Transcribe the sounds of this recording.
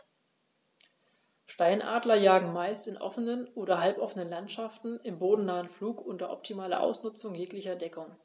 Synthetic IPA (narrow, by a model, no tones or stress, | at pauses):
ʃtaɪnʔa̰ːdlɐjaːɡŋ̩maɪstɪnʔɔ̰fənənʔoːɾɐɦalpʔɔfənənlantʃaftn̩ɪmboːdn̩naːənfluːkʔʊntɐʔɔ̰p̚tʰimaːlɐ̰ʔa̰ʊsnʊt͡sʊŋjeːklɪçɐdɛkʊŋ